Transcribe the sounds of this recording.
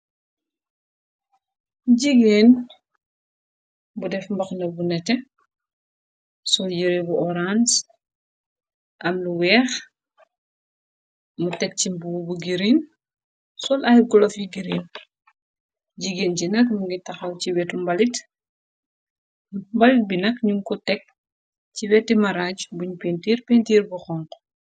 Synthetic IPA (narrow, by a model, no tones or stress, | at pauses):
ɟiɡeːn | budɛfmbɐxnɐbunɛtɛ | sɔljiɾibuʔɔɾans | ʔɐmluwɛːx | mutɛk̚cimbuwbuɡiɾin | sɔlɐjɡɔlɔfjiɡiɾiːn | ɟiɡencinɐkmuŋɡitɐxɐwciwɛtumbɐlit | mbɐlit̚binɐkɲuŋkɔtɛk̚ | ciwɛtːimɐɾaːcbuɲpentiːɾpentiːɾbuxɔŋkɔ̥